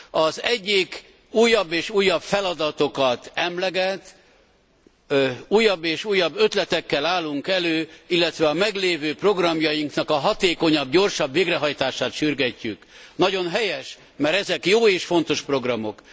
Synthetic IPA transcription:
ɒzɛɟːik | uːjːɒbːeːʃuːjːɒpfɛlɒd̪ɒt̪o̞kɒt̪ɛmlɛɡɛt̪ | uːjːɒbːeːʃuːjːɒbːø̞t̪lɛt̪ɛkːɛlaːlːuŋkɛløːilːɛt̪ʋɛɒmɛɡleːvøːpro̞ɡrɒmjɒjiŋknɒkɒɦɒt̪eːko̞ɲɒbɟo̞rʃɒbveːɡrɛɦɒjt̪aːʃaːt̪ʃyrɡɛcːyknɒɟo̞nɦɛjɛʃ | mɛɾɛzɛkjoːeːʃfo̞nt̪o̞ʃpro̞ɡrɒmo̞̰k

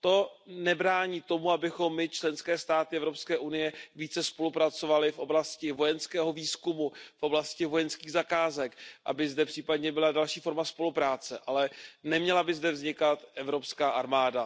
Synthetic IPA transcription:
t̪o̞nɛbɾaːɲiːt̪o̞muabɪxo̞mːɪt͡ʃlɛnskɛːst̪aːt̪ɪɛvɾo̞pskɛːʔunɪjɛviːt͡sɛspo̞lupɾat͡so̞valɪfʔo̞blascɪvo̞jɛnskɛːɦo̞viːskumufʔo̞blascɪvo̞jɛnskiːɣzakaːzɛkʔa̰bɪzdɛpr̥iːpadɲɛbɪladalʃiːfo̞ɾmaspo̞lupɾaːt͡sɛʔalɛnɛmɲɛlabɪzdɛvzɲɪkat̪ʔɛvɾo̞pskaːʔaɾmaːda

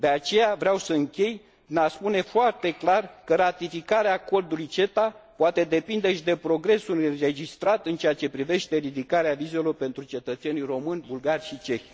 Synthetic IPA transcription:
d̪e̞at͡ʃe̞javɾeawsəɨŋkʲe̞j | ɨnaspune̞foart̪e̞klarkəɾat̪ifikaɾeako̞rd̪ulujt͡ʃe̞t̪apoat̪e̞d̪e̞pind̪eʃid̪e̞pɾo̞ɡɾe̞sure̞d͡ʒist̪ɾat̪ɨnt͡ʃeat͡ʃe̞pɾive̞ʃt̪e̞ɾid̪ikaɾeavize̞lo̞rpe̞nt̪ɾut͡ʃe̞t̪ət̪se̞nijro̞mɨnʲbulɡarʲʃit͡ʃe̞çʲ

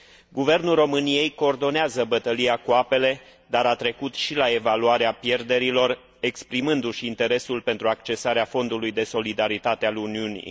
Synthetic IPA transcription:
ɡuve̞rnulro̞mɨnije̞jko̞ːrd̪o̞neazəbət̪əliakuape̞le̞d̪aɾat̪ɾe̞kut̪ʃilae̞valuaɾeapje̞rd̪e̞ɾilo̞r | e̞kspɾimɨnd̪uʃint̪e̞ɾe̞sulpe̞nt̪ɾuakt͡ʃe̞saɾeafo̞nd̪ulujd̪e̞so̞lid̪aɾit̪at̪e̞aluniunḭj

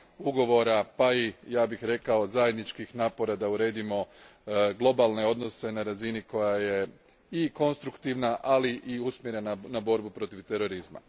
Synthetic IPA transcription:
uɡo̞ʋo̞ɾapaijaːbixɾe̞kao̞zaːje̞d̪nit͡ʃkixnaːpo̞ɾad̪auɾe̞ːd̪imo̞ | ɡlˠo̞balˠne̞o̞d̪no̞se̞naɾaziniko̞jaje̞ | iko̞nst̪ɾukt̪iʋnaʔaliʔiusmjeɾe̞nanabo̞ɾbupɾo̞t̪iʋt̪e̞ɾo̞ɾizma̰

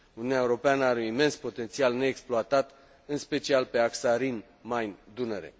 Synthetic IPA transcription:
uniunjaeuɾo̞peanəaɾeunime̞nspo̞t̪ent̪sialne̞ːksploat̪at̪ | ɨnspe̞t͡ʃialpe̞aksaɾin | majnd̪uneɾḛ

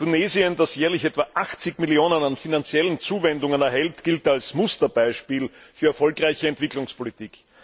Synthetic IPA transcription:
tuneːziəndasjɛːɐlɪçɛtv̥aʔaxt͡sɪkmiljoːnənanfinant͡sjɛlən̩t͡suːvɛndʊŋənɛɐɦɛltɡ̥ɪltalsmʊstɐb̥aɪʃpiːlfyːɐɛɐfɔlkʁaɪçəɛntv̥ɪklʊŋspʰolitiːk

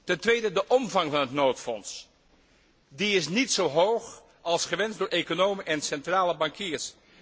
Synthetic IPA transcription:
tɛntʋejdədəʔɔmvɑŋvɑnɦətnowtfɔns | diɪs̬nitsowɦowχ | ɑlˠsχəʋɛnzdʊːɹʔekonowməʔɛnsɛntraːləbɑŋkiːɹs

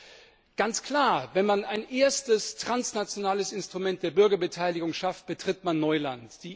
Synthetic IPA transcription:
ɡ̥ant͡skl̥aːɐvɛnmanaɪnʔeːɐstəstʁ̥ansnat͡sjonaːləsɪnstʁ̥umɛnt̚d̥eːɐbʏɐɡɐbətʰaɪlɪɡʊŋʃaft̚b̥ətʁ̥ɪtmanːɔʏlantd̥iː

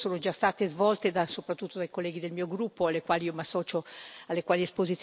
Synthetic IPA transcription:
soːnod͡ʒast̪aːt̪ezvɔlt̪ed̪asopɾat̪ːut̪ːod̪ajkolːɛːɡid̪elmiːoɡɾupːoalːekwaːliiːomasːɔːt͡ʃoalːekwaːliespozit̪s

